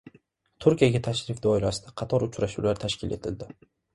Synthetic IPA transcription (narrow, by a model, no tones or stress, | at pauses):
t̪ʰʊɾkʲijaɡʲat̪ʰaʃɾɪfd̪ɒɪlasɪd̪aqʰɑt̪ʰɒɾʊt͡ʃʰɾaʃuwlaɾt̪ʰaʃkʲɪle̞̰t̪ʰɪld̪ɪ